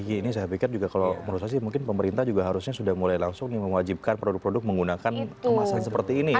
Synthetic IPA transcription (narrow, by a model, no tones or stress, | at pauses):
jainis̬ajapikɪrd͡ʒuɡakaloməɾusaksimuŋkɪnpəməɾint̪ahd͡ʒuɡaɦaɾusɲasudahmulajlaŋsʊŋniməŋwad͡ʒip̚kanpɾodʊk̚pɾodʊk̚məŋɡunakankəmasansəpərt̪iːni